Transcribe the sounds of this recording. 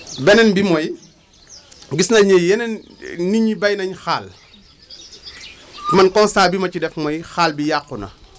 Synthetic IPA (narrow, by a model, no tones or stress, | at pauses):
bɛnɛnbimɔj | ɡisnɐɲɛjɛnɛn | niɲibɐjnɐɲxaːl | mɐnkɔnsaːbimɐcidɛfmɔjxaːlbijaqːunɐ̰